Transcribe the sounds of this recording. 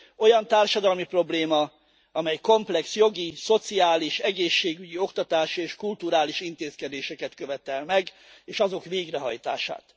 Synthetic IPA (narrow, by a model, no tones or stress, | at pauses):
o̞jɒnt̪aːrʃɒd̪ɒlmipro̞bleːmɒ | ɒmɛjko̞mplɛksjo̞ɡiso̞t̪siaːliʃɛɡeːʃːeːɡyɟio̞kt̪ɒt̪aːʃieːʃkult̪uɾaːliʃint̪eːskɛd̪eːʃɛkɛt̪kø̞vɛt̪ɛlmɛɡ | eːʃɒzo̞kʋeːɡrɛɦɒ̰jt̪a̰ːʃa̰ːt̪